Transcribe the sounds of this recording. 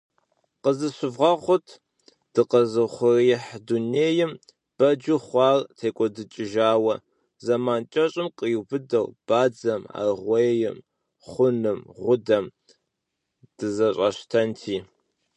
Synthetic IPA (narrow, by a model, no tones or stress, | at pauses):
qəzɨɕɪvʁɐʁʷʊtʰ | d̥ɨqɐzɨχʷʊriːħduneːjɪm | b̥ɐd͡ʒɪχʷɑːrtʰeːkʷʼɔdɨt͡ʃʼɪʒaːwɐ | zɐmaːnt͡ʃʼɐɕʼɪmqʼəjbɨdɐwb̥aːd͡zɐma̰rʁʷɔjjɪm | χʷʊnɨmʁʷʊdɐm | d̥ɨzɐɕʼɐɕtʰɐntʰiː